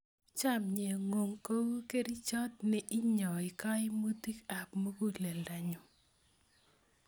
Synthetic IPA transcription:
t͡ʃa˦˨mɲe˨ŋo˨ŋko˦wke˦ɾi˦t͡ʃɔ˦t̪̚nɛ˨ʔɪ˦ɲɔ˨ɪ˨ka˦ɪ˦mo˦ti˦ka˨pmo˦ɡu˦lɛ˨lda˨ɲʊ˨

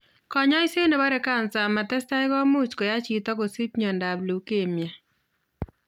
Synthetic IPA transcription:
kɔ˨ɲɔ˦ɪ˦se˦ne˨ba˦ɾe˨˦ka˦˨nsa˨ma˨tɛ˦sta˦ɪ˦ɡɔ˦mu˦t͡ʃko˨ja˦t͡ʃi˨tɔ˦ko˨si˦pɲɔ˨nda˨blu˨ke˨mja˨

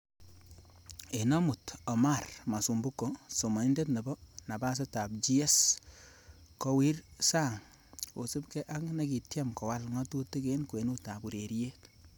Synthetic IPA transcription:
e˨nɔ˦mu˨tɔ˨ma˦˨rma˨su˨mbu˦kːo˨so˨ma˨ni˦nde˦tnɛ˨bɔ˦na˨ba˦s̬e˦ta˨b̚d͡ʒi˦ɛ˦s | kɔ˦wi˦rsa˦ŋ | o˨sɪ˦pkɛ˦ʔa˦kne˦ki˨tjɛ˦mkɔ˨wa˦lŋɔ˦tu˦ti˦ke˦nkwe˨nu˦ta˨bu˨ɾe˨ɾi˦je˦t

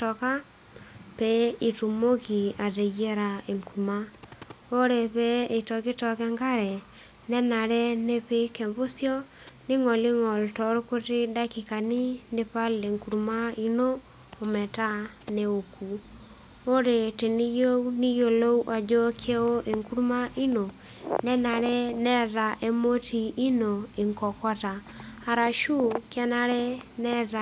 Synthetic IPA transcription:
tɔ˨ka˦ | pɛ˦i˨tu˨mo˦ki˨a˨te˨ɣe˦ɾa˨e˨ŋku˨u˨ma˦o˦ɾe˨pɛ˦e˨tɔ˨ke˦tɔ˨kɛ˦ŋɡa˦ɾɛ˨ | nɛ˦na˨ɾɛ˦ne˦pe˦ke˨mbo˦sjɔ˦ | ni˦ŋɔ˨li˦ŋɔ˨ltɔ˨ɾo˦ko˦te˦da˦ki˨ka˨ni˦ne˦pa˦le˨ŋku˨ɾu˨ma˦i˦noː˦˨ | mɛ˨ta˦ | ne˨o˨kʰu˨ | o˦ɾe˨te˨ni˦jo˦ni˦jo˨lo˦u˦ʔa˨d͡ʒɔ˦kʰe˦o˦ʔe˨ŋku˦ɾu˦ma˦i˦no˨ | nɛ˦na˨ɾɛ˦nɛ˦ða˨ʔe˦mo˦ti˨i˦no˨e˨ŋkɔ˨kwa˦ta˨ | a˨ɾa˨ʃu˦ka˦na˦ɾɛ˦nɛ˦ða

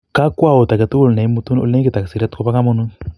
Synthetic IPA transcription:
ka˦kwa˦˨o˨t̪a˨kɛ˨t̪u˦u˦˨lna˨i˦mu˦t̪u˦no̰˦le˦kɛ˦t̪a˨ka˨si˨ɾa˦t̪kɔ˦pa˦ka˦mɔ˦nu˦

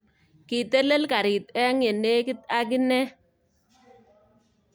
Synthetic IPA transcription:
kɪ˨tɛ˦lɛ˦lka˨ɾɪ˨tɛ˦ŋɛ˨ne˦kɪ˦ta˦k̬ɪ˦nɛ˦

